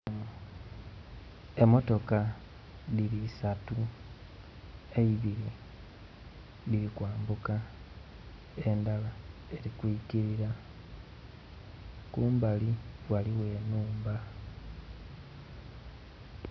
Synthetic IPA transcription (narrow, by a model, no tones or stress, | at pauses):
e̞mo̞to̞ka | ðilisatu | e̞iβiɾi | liɾikwaːmbuka | e̞ndalae̞ɾikwikiɾiɾa | kuːmbaliwaliwe̞ːnuːmba